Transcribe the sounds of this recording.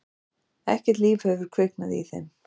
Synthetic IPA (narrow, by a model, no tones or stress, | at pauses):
ɛhcɛ̥t̪liːvhœvʏɾ̥kʰvɪknaðḭθɛ̰nː